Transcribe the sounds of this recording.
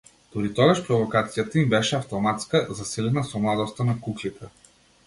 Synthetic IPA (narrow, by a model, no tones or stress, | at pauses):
d̪̥oɾit̪ɔɡaʃpɾɔvokat̪sijat̪aimbɛʃɛɐft̪omat̪skazasilɛnasɔmlˠad̪ɔst̪ənakuklit̪ʰə